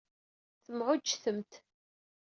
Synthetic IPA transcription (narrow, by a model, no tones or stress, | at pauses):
θəmʕʊd͡ʒːθəmt̪